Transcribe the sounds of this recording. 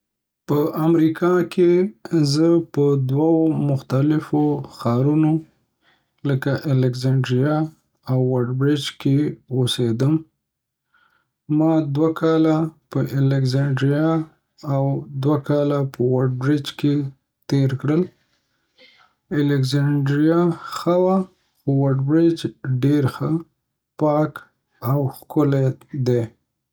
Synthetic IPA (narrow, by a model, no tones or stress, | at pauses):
pəʔamɾikʰɑkʰezəpəd̪wawomʊxt̪alɪfoxɑɾuno | ləkaʔɪlɪkzaɳɖɾija | awːaɖbɾɪd͡ʒkeosed̪əm | mɑd̪wakʰɑlapəʔɪlɪkzaɳɖɾija | awd̪wakɑlapəwaɖ̚bɾɪd͡ʒke | t̪eɾkɽəl | ɪlɪkzaɳɖɾijaxawa | xowaɖbɾɪd͡ʒɖeɾxə | pɑk | awxkʊled̪e